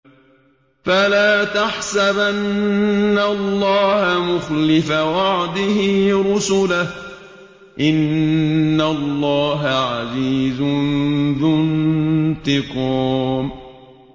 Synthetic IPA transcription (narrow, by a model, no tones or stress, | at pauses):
falaːt̪aħsabʔaannːalːɑːhamʊxlɪfawɑʕd̪ɪhɪɾʊsʊlah | ʔɪnː | alːɑːɦaʕaziːzʊnðʊnt̪ɪquːm